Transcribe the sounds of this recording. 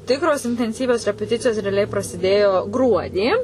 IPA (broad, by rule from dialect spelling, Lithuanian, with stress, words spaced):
ˈtʲɪkroːs ɪnʲtʲɛnʲˈsʲiːʋʲoːs rʲɛpʲɛˈtʲɪt͡sʲɪjoːs rʲɛɐˈlʲɛɪ prɐsʲɪˈdʲeːjoː ˈɡruɔdʲiː